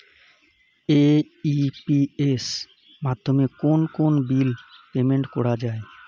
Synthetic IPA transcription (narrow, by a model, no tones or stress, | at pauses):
e | ipies | mad̪ʱːomekonkonbilpemeɳʈkɔɽad͡ʒae